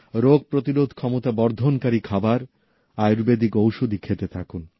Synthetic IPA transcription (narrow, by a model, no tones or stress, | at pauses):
ɾoɡ̚pɾot̪iɾod̪ʱkʰɔmot̪abɔɾd̪ʱonkaɾikʰabaɾ | ajɾbed̪ikowʃod̪ʱikʰet̪et̪ʰakun